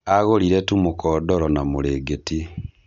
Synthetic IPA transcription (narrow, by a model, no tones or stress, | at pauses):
aɣoɾiɾɛtumokɔːdɔɾɔnamoɾeːɡeti